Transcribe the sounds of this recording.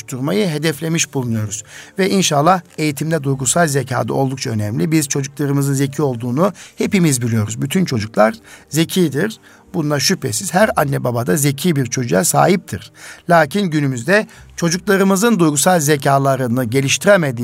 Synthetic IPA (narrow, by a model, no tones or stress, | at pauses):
ʃt̪ʰuɾmajɯɦe̞d̪ɛflʲe̞miʃbulˠunujo̞ɾuz̥vɛinʃalˠːahe̞jit̪ʰimd̪ɛd̪ujɡusalʲˠzecʰa̰ːd̪a̰o̞lˠd̪uk̚t͡ʃʰaø̞nɛmlʲibizt͡ʃʰo̞d͡ʒuklˠaɾɯmɯzɯnze̞cʰio̞lˠd̪uːnuhe̞pimizbilʲijo̞ɾuzbyt̪ʰynt͡ʃʰo̞d͡ʒuklˠaɾze̞cʰiːd̪iɾ | bunaʃypʰesiz̥hæɾanːɛbabad̪aze̞cʰiːbiɾt͡ʃʰo̞d͡ʒujasa̰ːɦip̚t̪ʰiɾ̥lʲaːcʰinɟynymyzd̪ɛt͡ʃʰo̞d͡ʒuklˠaɾɯmɯzɯnd̪ujɡusalʲzecʰaːlˠaɾɯnɯɟe̞lʲiʃt̪ʰiɾemed̪iː